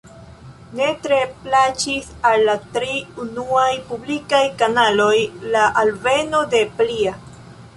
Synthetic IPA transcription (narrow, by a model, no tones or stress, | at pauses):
ne̞tɾe̞plat͡ʃisalːatɾiunuajpublikajkanalo̞jlaʔalve̞no̞de̞plia